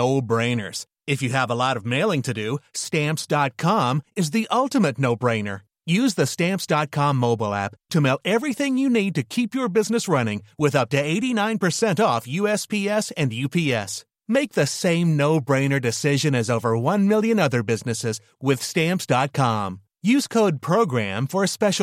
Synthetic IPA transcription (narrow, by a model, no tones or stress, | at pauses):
oʊbɹẽɪ̃nə̰˞z̥ | ɨfjɨːvəlɔɾʌvmeɪlˠɪ̃ŋtʰɨdɨstæ̃mpsd̥ɑt̚kʰɑ̃mɨzðiʔʌlˠtɨmɨtⁿnoʊbɹẽɪ̃nə̰˞ | jʉzðɨstæ̃mpsd̥ɑt̚kʰɑ̃mːoʊbl̩ˠæ̰ptʰɨmeɪlˠɛvɹiθɪ̃ŋjɨnid̚tɨkʰipjə˞bɪznɨsɹʌnɪ̃ŋwɪðʌp̚tɨeɪɾinãɪ̃npə˞sɛ̃ntɔfjʉɛspʰiɛsɨ̃njʉpʰiɛ̰s | meɪk̚ðɨsẽɪ̃mnoʊbɹẽɪ̃nə˞dɨsɪʒɨ̃nɨzoʊvə˞wʌ̃nmɪlˠjɨ̃nʌðə˞bɪznɨsɪz | wɪð̥stæ̃mpsd̥ɑt̚kʰɑ̃m | jʉz̥kʰoʊd̚pʰɹ̥oʊɡɹæ̃ɱfə˞ɨspɛʃ